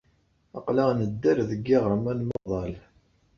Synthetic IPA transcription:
ɑqlaʁnəd̪ːæɾðəɡːɪʁɾˤmænmɑðˤɑl

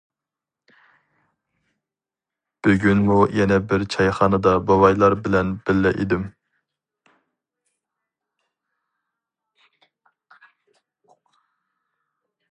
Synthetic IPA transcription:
b̥yɡʲynmujɛnɛbɪɾt͡ʃʰɑjχɑnɨd̪ɑbɑwɑjlˠɑɾbɪlɛnbɪlːɪʔḭd̪ɪm

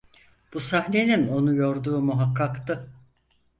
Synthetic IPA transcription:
b̥usahne̞nino̞nujo̞ɾd̪uːmuɦakːakt̪ɯ

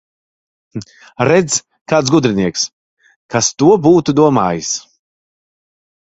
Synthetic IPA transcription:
ɾɛd̪z | kaːt̪s̬ɡud̪ɾiniɛks | kast̪uɔbuːt̪ud̪uɔma̰ːjis

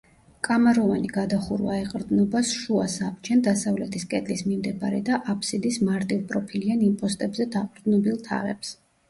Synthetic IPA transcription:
kʼamaɾɔvaniɡad̪aχuɾva̰ɛqʼɾd̪nɔbasʃuasapt͡ʃʰɛnd̪asavlɛt̪ʰiskʼɛd̪lismimd̪ɛbaɾɛ̰d̪aʔapʰsid̪ismaɾt̪ʼilˠpʼɾɔpʰilianimpʼɔst̪ʼɛbzɛd̪aqʼɾd̪nɔbilˠt̪ʰa̰ʁɛ̰ps

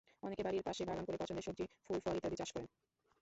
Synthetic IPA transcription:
ɔnekebaɾiɾpaʃebʱalamkoɾepɔt͡ɕʰond̪eʃok̚d͡ʑifulfɔɾit̪ːad̪it͡ɕaʃkɔɾen

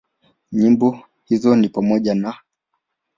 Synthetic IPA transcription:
ɲimbɔ | hizɔnipamɔʄana

